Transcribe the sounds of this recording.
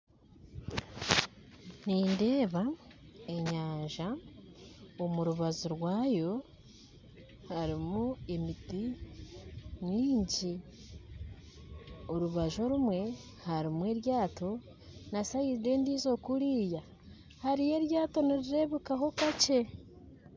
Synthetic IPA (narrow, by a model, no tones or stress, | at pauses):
niːndeːβae̞ɲaːɲʒa | omuɾuβazuɾwaːjo̞ | haɾimue̞midi | miːɲɟi | o̞ɾuβaʒo̞ɾumwe̞ | haɾimwe̞ːɾjaːto̞ | nasajiɾide̞ːndiːzo̞kuɾiːja | haɾije̞ɾjaːto̞niɾiɾe̞βukaɦo̞kat͡ʃe